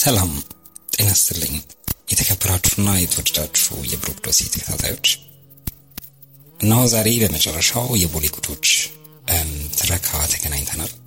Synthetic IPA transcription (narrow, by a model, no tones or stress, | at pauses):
sʰəlam | t̪ʼɨnast̪ɨlːə̰ɲːjɛt̪ʰəkʰəbːəɾat͡ʃːu̥nːajɛt̪ʰʼwod̪əd̪at͡ʃːṵjɛ̰bɨɾokd̪o̞sḭt̪ʰə̥kʰə̥t̪ʰa̰t̪ʰa̰jwo̞t͡ʃː | ʔɨnːahuzaɾe̞bəmət͡ʃʼɛrːəʃawjɛboliɡʰʼut̪ʰo̞t͡ʃː | t̪ʰɨɾəkʰat̪ʰəɡənaɲt̪ʰənal